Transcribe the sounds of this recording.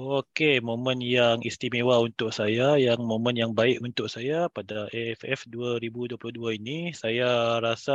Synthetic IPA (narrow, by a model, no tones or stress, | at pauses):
okemõmə̃njaŋist̪imewaunt̪ʊk̚sajajaŋmõmə̃njaŋbaɪʔunt̪ʊʔ̚sajapadaʔɛɛfɛfduaɾibuduaplʊhduainisajaɾasa